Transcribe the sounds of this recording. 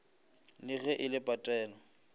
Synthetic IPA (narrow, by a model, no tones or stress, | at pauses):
lɪɣɛʔɪlɪpʼatʼɛːnɔ